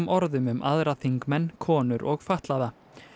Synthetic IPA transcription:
mʔɔɾðʏmʏmʔaðɾaθiŋkmɛnːkʰɔːnʏɾʔɔɣfaht̪laða

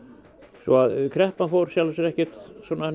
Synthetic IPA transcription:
svɔ̰aðkʰɾɛhpanfowɾ̥sjalasɛɾɛhcɛ̥t̪sɔːna

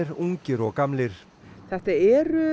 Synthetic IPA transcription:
ɪɾuŋcɪɾɔɣkamlɪɾ̥ | θɛht̪aɛːɾʏ

